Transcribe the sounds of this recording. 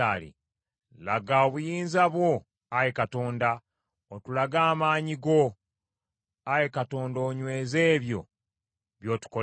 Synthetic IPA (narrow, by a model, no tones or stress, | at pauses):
aːlḭ | laɡaoβujiːnzaβwo̞ | ajekato̞ːnda | otulaɡaːmaːɲiɡo̞ | ajekato̞ːndo̞ːɲwe̞ːze̞ːβjo̞̰ | βjo̞ːtu̥ko